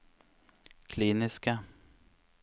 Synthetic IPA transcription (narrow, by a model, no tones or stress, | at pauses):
kʰliːnɪska